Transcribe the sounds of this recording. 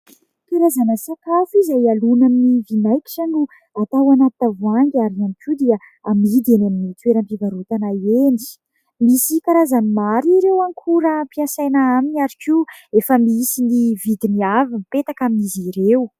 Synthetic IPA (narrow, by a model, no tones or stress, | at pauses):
kaɾazanəsakafizajalunaminivinajkʲi̥ʈ͡ʂanu | at̪awanat̪navuaŋɡaɾnamikʲud̪iə | amid̪enaminit̪weɾəmpivaɾut̪anaeni̥ | misikaɾazanimaɾiɾewaŋkʰuɾampiasajnaaminaɾikiefəmiisinivid̪iniavimipet̪akamiziɾew